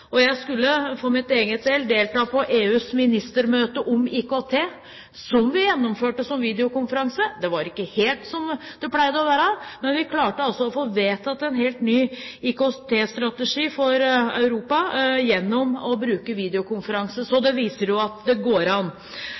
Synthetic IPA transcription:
ɔjæɪskʉlːəfɔɾmɪt̪eːɡət̪sɛlːd̪eːlt̪ɑːpʰɔʔeːʉːsmɪnɪst̪əɾmøːt̪əʔɔmiːkot̪ʰeː | sɔmʋɪjɛnːʊmføːʈəsɔmʋiːd̪ɪʊkʊnfəɾɑŋsəd̪ɛʋɑɾɪkːəheːlt̪sɔmd̪̥ɛpʰlæɪd̪əɔʋæːɾəmɛnʋɪkʰlɑːʈəɑlsɔɔfoːʋeːt̪ʰɑt̪ɛnɦeːlt̪nyːiːkot̪ʰeːst̪ɾɑt̪əʂiːfɔɾœ̰ʉɾuːpɑjɛnːɔmɔbɾʉːkəʋiːd̪ɪʊkʰʊnfəɾɑŋsəsɔd̪ɛʋiːsəɾjʊɑt̪d̪ɛɡoːɾɑnː

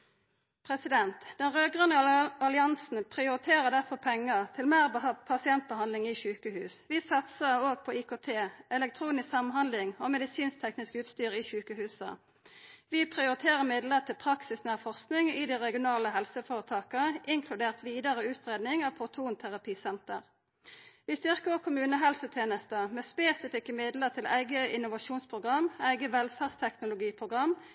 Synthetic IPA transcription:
pʰʁɛsɪd̪ɛnt̪d̪̥ɛnʁøːɡʁʉnːəɑlɪɑnsn̩pʰʁɪʊʁɪt̪ʰeːʁəʁd̪æʁfɔpʰɛŋːət̪ʰɪlmeːʁpʰɑsɪɛnt̪̚bəhɑnd̪lɪŋɪçʉːkəhʉːsʋɪsɑt̪səʁoːɡ̚pʰɔikot̪ʰeːʔɛlɛk̚t̪ʰɾuːnɪsksɑmnhɑnd̪lɪŋomɛd̪ɪsiːnst̪ʰɛknɪskʉːt̪st̪yːʁɪçʉːkəhʉːsə̰ | ʋɪpʰʁɪʊʁɪt̪ʰeːʁəʁmɪd̪ləʁt̪ʰɪlpʰʁɑksɪsnæːʁfɔʁsknɪŋɪd̪iʁɛɡɪʊnɑːləɦɛlsəfoːʁət̪ʰɑːkəəʔɪŋkʰlʉd̪eːʁt̪ʋiːd̪ɑʁəʉːt̪ʁeːd̪nɪŋɑʋpʰʊt̪ʰuːnt̪ʰæʁɑpʰiːsɛnt̪ə̰ʁ | ʋɪst̪ʏʁkəɔkʰʊmʉːnəɦɛlsət̪ʰjeːnəst̪əmeːspeːsɪfɪkːəmɪd̪ləʁt̪ʰɪlʔæ̰ɪɡəʔɪnʊʋɑʃuːnspʰʁʊɡʁɑmæɪɡəʋɛlfæʁst̪ʰɛknʊlʊɡiːpʰʁʊɡʁɑm

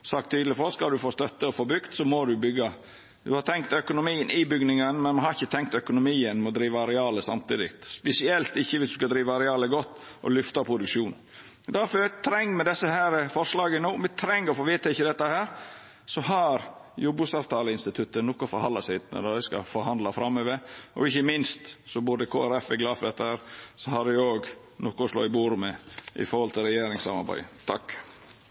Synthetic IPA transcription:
sɑk̚t̪ʰːyːd̪lɪfɔskɑld̪ʉfoːst̪œt̪ːəɔfoːbʏɡt̪sɔmɔd̪ʉbʏɡɑ | d̪ʉhɑɾt̪ʰɛŋkt̪œkʊnʊmiːənʔɪbʏɡnɪŋənmɛnmɑnhɑɾɪçːət̪ʰɛŋk̚t̪œkʊnʊmiːənmɛɔd̪ɾiːʋɑɾɛɑːləsɑmt̪ʰiːd̪ɪ̰t̪spɛsɪɛlt̪ɪçːəʋɪsd̪ʉskɑd̪ɾiːʋəɾɛɑːləɡɔt̪ːʔɔ̰lʏft̪ɑpʰɾʊd̪ʉkʂuːn | d̪æɾfɔt̪ʰɾɛŋːmɛd̪ɛsːəhæːɾəfɔɾʂlɑːɡənoːmɛt̪ʰɾɛŋːɔfɔʋiːt̪ʰɑɪçːəd̪ɛt̪ːəhæːɾ | sɔhɑɾjʊbʉsɑːʋt̪ʰɑːləɪnst̪ɪt̪ʰʉt̪ːənɔkːʊfɔɾhɑnd̪ɑsæɪt̪nə̰d̪ɑd̪ɛɪskɑ̰fɔɾhɑnd̪lɑfɾɑmːøʋəɔ̰ɪçːəmɪnst̪sɔbʊːd̪əkʰoːæɾɛfɪɡlɑːfd̪ɛt̪ːəhæːɾsɔhɑd̪ɛoːɡ | nɔkːɔɔslo̰ːɪbuːɾmɛʔɪ̰fɔɾhɔlt̪ʰɪlɾɛjeːɾɪŋsɑ̰mɑ̰ɾbæ̰ɪt̪ʰɑkː

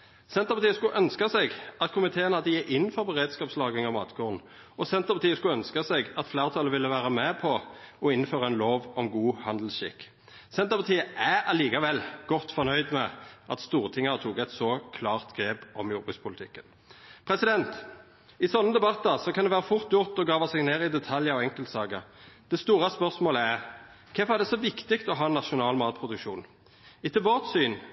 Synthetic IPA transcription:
sɛnt̪əʁpɑt̪iːəskʉʔœnskɑsɛɡʔɑt̪kʰʊmɪt̪ʰeːənhɑd̪əjeʔɪnːfɔʁbɛʁeːd̪skɑːpslɑːɡɪŋɑmɑ̰ːt̪ɡoːʁn̩ | ɔsɛnt̪əpɑt̪iːəskʉœnskɑsɛɡɑt̪flæːʁt̪ʰɑːləʋɪlːəʋæːʁəmɛpʰɔɔɪnføːʁɑɛnloːʋɔmɡuːhɑnd̪l̩sʃɪ̰kː | sɛnt̪əʁpɑt̪ʰiːəæɑliːkɑʋɛlɡ̥ɔt̪ːfɔnœʏd̪mɛʔɑ̰t̪st̪uːʁt̪ʰɪŋːɑət̪ʰuːkɛt̪sɔkʰlɑːʁt̪ɡʁeːpɔmjʊːɾbʉːspʰʊlt̪ʰɪkːən | pʰʁɛsɪd̪ɛnt̪ | ɪsɔnːəd̪ɛbɑt̪ːəʁsɔkʰɑnd̪ɛʋæːʁəfʊʁt̪jʊʁt̪ɔɡɑːʋɑsɛɡneːʁɪd̪ɛt̪ʰɑljəɔɛŋkəlt̪sɑːɡəd̪̥ɛst̪uːʁɑspœʁsmoːləæʁ | kʰɛfɔæd̪ɛsɔʋɪkt̪ɪɡt̪ɔɦɑːɛnɑʃʊnɑːlmɑːt̪̚pʰʁʊd̪ʉkʃuːn | ɪt̪ʰɪlbɑːt̪syːn

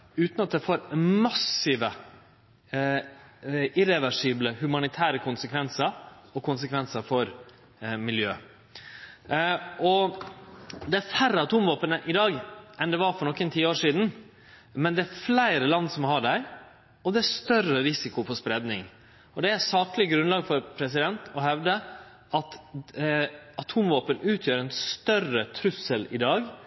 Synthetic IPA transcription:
ʉːt̪nɑt̪̚d̪ɛfoːɾmɑsɪʋə | ɪɾɛʋæʂiːbləhʉmɑnɪt̪ʰæːɾəkʰʊnsəkʰʋɛnsəɾɔkʰʊnsəkʰʋɛnsəɾfɔɾ | mɪljøː | ʔɔ | d̪ɛæɾfæɾəɑt̪ʰuːmʋɑːpənəʔɪd̪ɑːɡɛnd̪ɛʋɑɾfɔɾɳɔkːənt̪ʰiːəoːɾʂiːd̪n̩ | mɛnd̪ɛæɾflæɪɾəlɑnːsɔmɦɑɖæɪ | ɔd̪ɛæʂt̪œrəɾɪsɪkʊpɔspɾɛd̪nɪŋ | ɔd̪ɛæsɑːklɪɡɾʉnlɑːɡfɔɾpʰɾɛs̬ɪd̪ɛnt̪ɔhɛʋd̪ə | ʔɑt̪ | ɑt̪ʰuːmʋoːpənʉːt̪ʰjøːɾɛnst̪œrət̪ʰɾʉsəlɪ̰d̪ɑːɡ

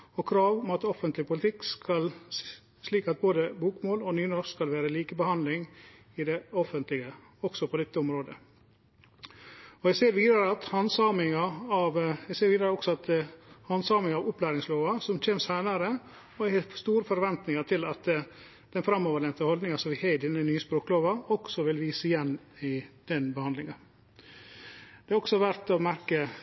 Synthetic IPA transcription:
ɔkʰɾɑːʋɔmɑt̪ɔfənt̪lɪpʰʊlɪt̪ʰɪkːskɑl | sliːkɑt̪̚boːd̪əbuːkmoːlɔnyːnɔɾskɑlʋæːɾəliːkəbəhɑnd̪lɪŋ | ɪd̪ɛɔfənt̪lɪɡə | ɔɡ̥sɔpʰɔd̪ɛt̪ːəɔmɾoːd̪ə | ɔɛseːɾʋiːd̪əɾəɑt̪hɑnsɑːmɪŋɑɑʋɛɡseːɾʋiːd̪ɾəɾəɔksɔɑt̪hɑnsɑːmɪŋɑːʋʊplæːɾɪŋsloːʋɑsɔmtʰeːmsæɪnɑɾə | ɔæhɛst̪uːɾəfɔɾʋɛnt̪nɪŋɑt̪ʰɪlɑt̪ | d̪̥ɛnfɾɑmːoːʋəɖɛnt̪əhɔld̪nɪŋɑsɔʋɪhɛd̪ɪnːənyːəspɾoːkloːʋɑɔksɔʋɪlʋiːsəɪjɛnː | ɪd̪̥ɛnbəhɑnd̪lɪŋɑ | d̪̥ɛɑɾɔksɔɑʋæɾt̪ɔmæɾkə

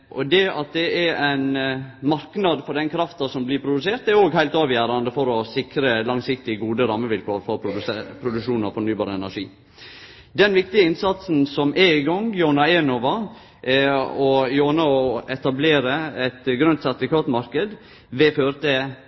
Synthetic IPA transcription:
ʔɔd̪ɛɑt̪̚d̪ɛɛɾæɪnmɑɾknɑd̪fɔɖɛnkʰɾɑft̪ɑsɔmblɪɾpʰɾʊd̪ʉseːɾt̪ɛɾoːɡhæɪlt̪ɑːʋjæːɾɑnd̪əfɔɾɔsɪkɾəlɑŋsɪk̚t̪ɪɡuːd̪əɾɑːmːəʋɪlkʰoːɾfɔɾpʰɾʊpʰɾʊd̪ʉkʂuːnɑfɔɳyːbɑːɾəɛnæʂiː | d̪ɛnʋɪkt̪ɪəɪnsɑt̪sn̩sɔmʔɛɪɡɔŋjonɑɛnoʋɑ | ɔjoːnɑɔɛt̪ɑbleːɾəɛt̪ɡɾʉnt̪sæt̪ʋɪkʰɑːt̪mɑɾkəd̪ | ʋɛføːɾt̪ʰɛ

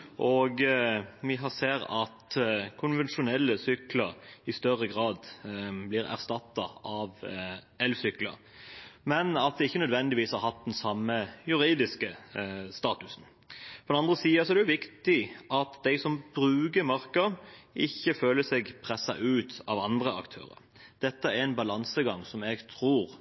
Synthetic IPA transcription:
ʔoɡʋɪɦɑseːɾɑt̪kʰʊnʋɛnʃʊnɛlːəsʏkləʁɪst̪œɾəɡʁɑːd̪blɪɾæ̰ʁst̪ɑt̪ːɑɑʋ | ɛlʋsʏklə̰ɾ | mɛnɑt̪̚d̪ɛɪçːənœd̪ʋɛnd̪ɪʋiːshɑɾɦɑt̪̚d̪ɛnsɑmːəjʉɾiːd̪ɪskəst̪ɑːt̪ʉsn | fɔɾd̪ɛnɑnd̪ʁəsiːɑsɔɛd̪ɛʊʋɪkt̪ɪʔɑt̪d̪ɛɪsɔmb̥ɾʉːɡəmɑʁkəʔɪçːəføːləsɛɡpʰʁɛsːɑ̰ʔʉːt̪ɑʋɑnd̪ʁəɑ̰kt̪ʰø̰ːɾə̰ɾ | d̪̥ɛt̪ːəæɾɛnbɑlɑnsəɡɑŋsɔmɛɡt̪ʰʁuːʁ

